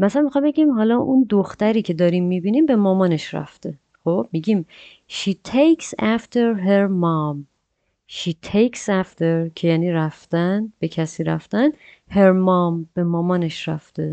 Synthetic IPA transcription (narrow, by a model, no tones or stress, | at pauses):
mæslænmixɑmbe̞ɡimɦɒːlɒʔund̪oxt̪æɾiːcʰe̞d̪ɒːɾimːibiːniːmbe̞mɒːmɒːne̞ʃɾæ̰ft̪e̞ | χob̥̚miɟiːm | ʃiːt̪ʰejksæft̪ʰeɾɦeɾmɒm | ʃiːt̪ʰejksæft̪ʰeɾcʰe̞jæːniːɾæft̪ænb̥e̞cʰæsiːɾæ̰ft̪ænd̪ | heɾmɒːmb̥e̞mɒːmɒːne̞ʃɾæft̪e